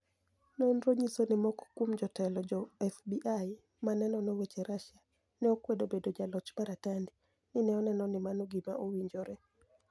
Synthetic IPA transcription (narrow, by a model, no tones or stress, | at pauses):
nonɾoɲisonɪmɔkɔ̥kwumd͡ʒɔtɛlɔd͡ʒɔɛfbiʔaj | manɛnɔnowet͡ʃeɾaʃa | nɛokwedobedod͡ʒalɔt͡ʃmaɾatandi | nɪnɛɔnɛnɔnɪmanoɡimaʔowiɲd͡ʒoɾɛ